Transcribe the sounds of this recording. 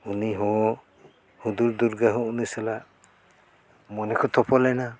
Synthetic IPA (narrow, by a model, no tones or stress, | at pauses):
uniɦɔ | hud̪uɾd̪uɾɡaɦɔunisɛla | mɔnɛkʰɔt̪ʰɔpʰɔlajna